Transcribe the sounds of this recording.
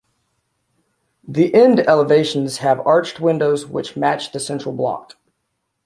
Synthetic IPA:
ðiʔɛ̃ndɛlˠəveɪʃn̩z̥ɨvɑɹt͡ʃt̚wɪ̃ndoʊzwɪ̰t͡ʃmæt͡ʃðɨsɛ̃nt͡ʃɹ̥l̩ˠblɑ̰k

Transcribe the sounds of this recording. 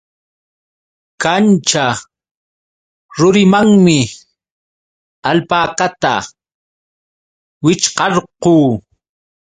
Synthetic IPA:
kant͡ʃa | ɾʊɾɪmaŋmɪ | alpaːkat̪a̰ | wɪt͡ʃqɑɾquː

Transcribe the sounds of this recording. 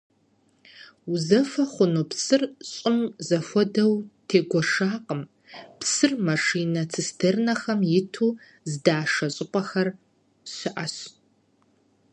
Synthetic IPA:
uzɐfɐχʷʊnupsɨrɕʼɪmzɐfʷɔdɐwtʰeːɡʷɔʂaːqəm | psɨrmɐʂiːnɐt͡sʰɨstʰernɐxɐmjɪtʰuː | zɨdaːʂɐɕʼɪqʷʼɐxɐr | ɕɪʔɐɕ

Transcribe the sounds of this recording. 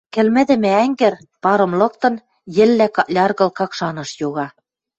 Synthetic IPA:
kɘ̆lmɘ̆d̪ɘ̆mɘ̆æŋɡɘ̆r | pɑɾɤ̆mlɤ̆k̚t̪ɤ̆n | jɘ̆lːækɑlʲɑrɣɤ̆lkɑkʃɑnɤ̆ʃjoɣɑ

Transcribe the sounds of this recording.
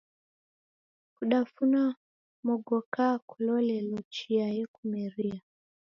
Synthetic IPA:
kuɗafuna | mɔɡɔkakulɔlɛlɔt͡ʃiajɛkumɛɾia

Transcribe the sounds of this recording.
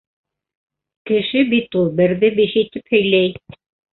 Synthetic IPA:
kɘ̆ʃɘbit̪ulˠbɘ̆ɾðɘbeʃit̪ɘphɵ̆jlæj

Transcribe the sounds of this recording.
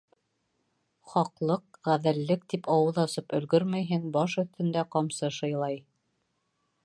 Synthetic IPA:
χɑqlˠɤqʁæðɘ̆lːɘk̚t̪ipɑwɤðɑsɤpɵ̆lɡɵɾmæjɦɘŋbɑʃɵ̆θt̪ɘ̆nd̪æqɑmsɤʃɤ̆jlˠɑj

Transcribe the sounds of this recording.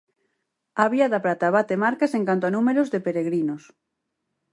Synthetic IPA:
aβiaðapɾat̪aβat̪emaɾkaseŋkant̪oanumeɾozðepeɾeɣɾinos

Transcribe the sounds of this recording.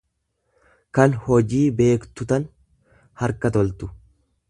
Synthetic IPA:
kɐnhɔd͡ʒiːbe̞ːkt̪ʊt̪ɐn | hɐɾkɐt̪ɔlt̪ʊ̥

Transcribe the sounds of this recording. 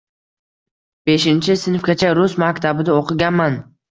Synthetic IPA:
b̥e̞ʃɪnt͡ʃʰɪsɪnfkʲat͡ʃʰaɾʊsmakʲt̪ʰabɪd̪aoqʰɨɡʲanman

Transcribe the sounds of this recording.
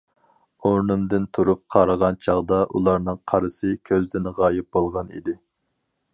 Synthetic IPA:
oɾnɨmd̪ɪnt̪ʰuɾup̚qʰɑɾəʁɑnt͡ʃʰɑʁd̪ɑʔulˠɑɾnɨŋqʰɑɾɨsɨkʲʰøzd̪ɪnʁɑːjɪp̚bolˠʁɑnḭd̪ɪ

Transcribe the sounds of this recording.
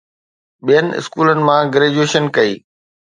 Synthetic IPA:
ɓijənɪ̆ɪ̰skuːlənɪ̆mãɡɾeːd͡ʑueːʃənkɐiː

